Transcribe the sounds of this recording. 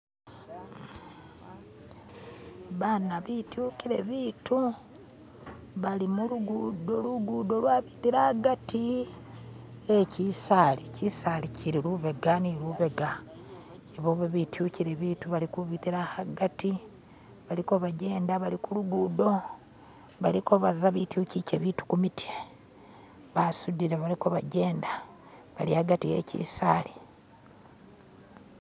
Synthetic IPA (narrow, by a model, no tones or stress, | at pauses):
βanaβitjuciɾe̞βiːtu | βalimuluɡudoluɡudo̞lwaːβitiɾaɡati | ecisalicisaliciɾiluβe̞ɡaniluβe̞ɡa | eβoβeβitjuciɾeβiːtuβalikuβitiɾahaɡati | βalikoβaɟe̞ːndaβalikuluɡudo̞ | βalikoβazaβitjucicḛβiːtu̥kumitʰie | βasudiɾaβalikoβaɟe̞ːnda | βa̰liaɡatiḛcḭsaːli